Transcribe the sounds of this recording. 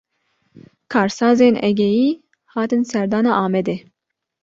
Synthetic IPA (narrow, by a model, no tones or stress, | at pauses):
kʰɑːɾsɑːzeːnɛ̰ɡɛjiː | hɑːt̪ɨnsɛɾd̪ɑːnɑːʔɑːmɛd̪eː